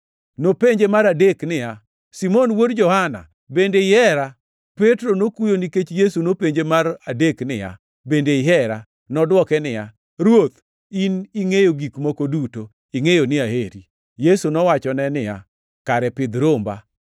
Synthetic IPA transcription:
nopeɲd͡ʒemaɾadeknɪja | simɔnwodd͡ʒɔhana̰ | bendeɪɛɾa | petɾonokujoniket͡ʃjesunopeɲd͡ʒemaɾadeknɪja̰ | bendeɪɦɛɾa | nɔdwɔkɛnɪja | ɾwot̪ | iniŋejoɡikmokoduto | iŋejonɪaɦeɾi | jesunɔwat͡ʃɔnɛnɪja̰ | kaɾɛpɪd̪ɾomba̰

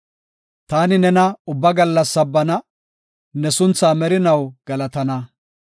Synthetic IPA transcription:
t̪aːnɪnɛnɐʊbːɐɡɐlːɐsːɐbːɐnɐ | nɛsʊnt͡sːaːmɛɾɪnɐwɡ̥ɐlɐt̪ɐnɐ

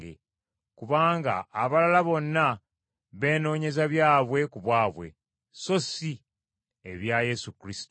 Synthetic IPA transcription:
ḛ | kuβaːŋɡa̰ːβalalaβo̞nːa | βe̞ːno̞ːɲe̞zaβjaːβwe̞kuβwaːβwe̞̰ | so̞si | e̞βjaje̞sukɾisi̥to

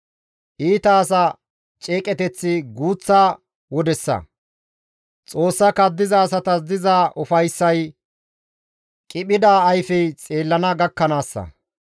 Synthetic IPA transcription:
ʔiːt̪ɐːsɐ | t͡ʃʼe̞ːkʼɛt̪ɛt͡sːɪɡuːt͡sːaː | wɔd̪ɛsːɐ̰ | t͡sʼo̞ːsːɐkɐd̪ːɪzɐːsɐt̪ɐs̬d̪ɪzaːʔʊfɐjsːɐj | kʼɪɓɪd̪aːjfɛjt͡sʼe̞ːlːɐnɐɡɐkːɐnaːsːɐ̰

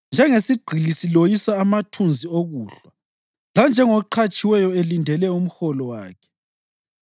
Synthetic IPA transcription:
nd͡ʒʱɛŋesiɡ͡ǃʱilisilojisaːmatʰund͡zʱioɣuːɬa | land͡ʒʱɛŋɔǃʰat͡ʃʼiwɛjɔelindʱɛlɛum̩xɔlɔwaːkʰɛ̥

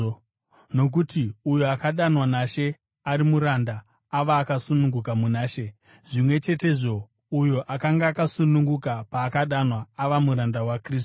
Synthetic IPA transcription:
no̞k̬utiujoakaɗanwanaʃe̞ | aɾimuɾandaː | ʋaːkasunuŋɡukamunaːʃe̞ | ʐimwe̞t͡ʃe̞te̞ʐo̞ | ujoʔakaŋɡaːkasunuŋɡukapaːkaɗanwaːʋamuɾandawakrisu̥

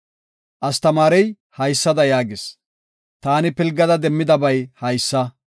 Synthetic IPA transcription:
ʔɐst̪ɐmaːɾɛj | hɐjsːɐd̪ɐjaːɡɪs | t̪aːnɪpɪlɡːɐd̪ɐd̪ɛmːɪd̪ɐbɐjhɐjsːɐ

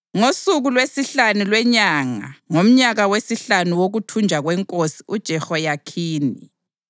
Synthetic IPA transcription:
ŋosuɣulwesiɬanulwɛɲaːŋa̰ŋom̩ɲaɣawesiɬanuwoɣutʰund͡ʒʱaɣwɛŋkʼosi̥ud̥ʒ̥ʱɛxɔjakʰiːni

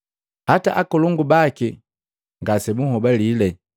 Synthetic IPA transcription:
hataʔakɔluŋɡubaki | ŋɡasɛbuhɔbalilɛ

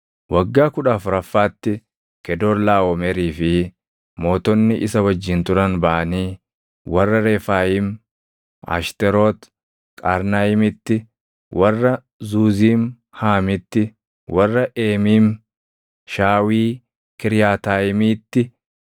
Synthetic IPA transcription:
wɐɡːaːkʊᶑaːfʊɾɐfːaːt̪ːɪ | kɛd̪oːɾlaːwɔmɛɾiːfɪ | mo̞ːt̪ɔnːɪʔɪsɐwɐd͡ʒːɪnt̪ʊɾɐnbaːɐniː | wɐrːɐɾe̞ːfaːjɪm | a̰ʃt̪ɛɾoːt̪ | kʼa̰ːɾnaːjɪmɪt̪ːɪ | wʔɐrːɐ | zuːziːm | haːmɪt̪ːɪ | wɐrːɐʔeːmiːm | ʃaːwiː | kɪɾjaːt̪aːjɪmiːt̪ːɪ

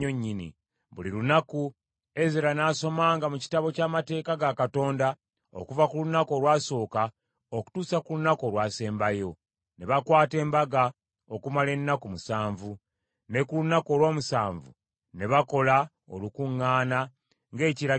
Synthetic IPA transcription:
oɲːinḭ | βuliɾunaku | e̞zeɾanaːso̞maːŋɡamuci̥taβo̞caːmate̞ːkaɡakato̞ːnda | o̞̰kuvakulunako̞lwaːso̞ːka | oku̥tuːsakulunakolwaːse̞ːmbajo̞ | ne̞βakwaːte̞ːmbaɡa | o̞kumale̞nːakumusaːɱvu | ne̞kulunako̞lwoːmusaːɱvṵ | ne̞βako̞la | o̰lukuŋːaːna | ŋɡe̞ːciɾa

